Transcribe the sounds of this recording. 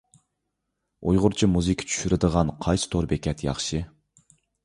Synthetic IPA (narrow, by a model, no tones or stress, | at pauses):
ujʁʊɾt͡ʃʰimuzɨkʲʰə̥t͡ʃʰy̥ʃyɾɪd̪əʁɑnqʰɑjsɨ̥t̪ʰoɾbekʲʰɛt̪jɑ̰χʃɨ